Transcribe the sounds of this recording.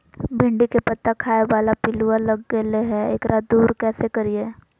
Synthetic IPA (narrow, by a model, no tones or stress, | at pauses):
bɪ̃ɳɖikepɐt̪ːakʰaːeʋaːlapɪlualɐɡːeleɦɛḛːkɾʔad̪uːɾkɛːsekɐɾieː